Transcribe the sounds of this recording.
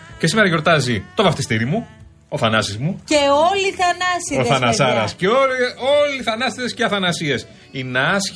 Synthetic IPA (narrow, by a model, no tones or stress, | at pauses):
cesime̞ɾɐʝo̞ɾt̪ɐzit̪o̞vɐft̪ist̪iɾimu | o̞θɐnɐsizmuceoliθɐnɐsioθɐnɐsɐɾɐsceooliθɐnɐst̪it̪esceɐθɐnɐsie̞s | inɐs